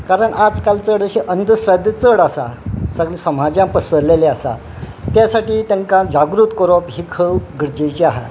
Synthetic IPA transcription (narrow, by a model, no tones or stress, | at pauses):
kaɾəɳʔad͡zkalt͡səɽəɕiʔənd̪ʱəsɾəd̪ʱjət͡səɽasa̰səɡlisəm̤ad͡ʑjãpəsəɾleleasa̰ | t̪jasaʈiːt̪jãŋkãd͡zaɡɾut̪kɔɾɔpɦiːkʰəwɡʱəɾd͡ʑejt͡ɕiaɦa̰